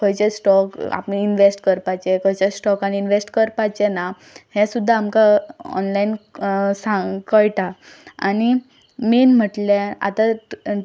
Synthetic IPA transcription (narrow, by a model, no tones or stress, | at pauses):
kɔjt͡ɕesʈɔka̰pniinʋesʈkəɾpat͡ɕekɔjt͡ɕesʈɔkañiːnʋesʈkəɾpat͡ɕena | hɛ̃sud̪ʱːaːmkaɔ̰nlainsãkəjʈa | ani | menm̤əʈlea̰t̪a